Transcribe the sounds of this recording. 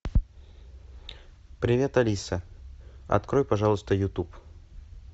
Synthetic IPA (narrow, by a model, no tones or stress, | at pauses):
pɾʲɪvʲe̞t̪ɐlʲisə | ɐ̰t̪kɾojpɐʐalˠəst̪əjʊt̪up